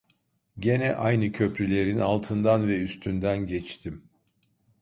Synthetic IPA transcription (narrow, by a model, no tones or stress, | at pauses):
ɟe̞nɛʔajnɯcʰø̞pɾylʲe̞ɾinalˠt̪ʰɯnd̪anvɛyst̪ʰynd̪ænɟɛt͡ʃt̪ʰim